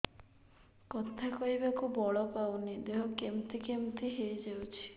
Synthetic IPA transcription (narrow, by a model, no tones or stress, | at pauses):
kɔt̪ʰakɔibakubɔɭɔpawnid̪eɦɔkemt̪ikemt̪iɦejd͡ʒawt͡ʃʰi̥